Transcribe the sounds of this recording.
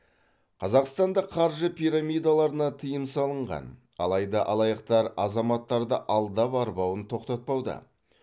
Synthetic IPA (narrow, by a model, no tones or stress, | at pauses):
qʰɑzɑqst̪ɑnd̪ɑqʰɑɾʒəpijɾamʲijd̪alˠɑɾənɑt̪ʰəjəmsɑlˠəɴʁɑ̰n | ɑ̰lˠɑjd̪ɑʔɑlˠɑjɑqt̪ɑɾɑzɑmɑt̪ːɑɾd̪əʔɑlˠd̪ɑpɑɾbɑwənt̪ʰo̞qt̪ɑt̪̚pɑwd̪ə̰